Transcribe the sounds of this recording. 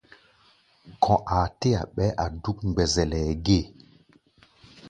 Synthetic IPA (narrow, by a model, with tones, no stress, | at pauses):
kʰɔ̃˨ʔa˨te˦a̰˨ɓɛ˦ʔa˨du˦kŋ͡mɡ͡bɛ˨zɛ˨lɛ˨ɡe˦˨